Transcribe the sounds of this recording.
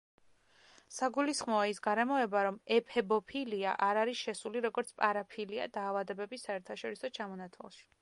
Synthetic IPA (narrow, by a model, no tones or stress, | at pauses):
saɡulisχmɔaisɡaɾɛmɔɛbaɾɔmɛpʰɛbɔpʰilia̰ʔaɾaɾisʃɛsuliɾɔɡɔɾt̪sʰpʼaɾapʰilia̰d̪aːvad̪ɛbɛbisaɛɾt̪ʰaʃɔɾisɔt͡ʃʰamɔnat̪ʰwa̰lˠʃi̥